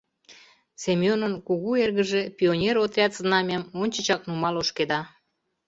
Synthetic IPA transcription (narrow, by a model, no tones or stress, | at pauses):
semjonənkuɣuerɣəʒepʲionʲeɾot̪rʲɑt̪znɑmʲɑmonʲt͡ɕə̆t͡ɕɑk̚numɑloʃked̪ɑ